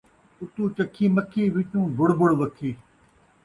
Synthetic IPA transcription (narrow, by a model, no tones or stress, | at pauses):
ʊt̪ũːt͡ʃəkʰːiːməkʰːiːʋɪt͡ʃũːb̪ʱʊɽbʊɽʋəkʰːiː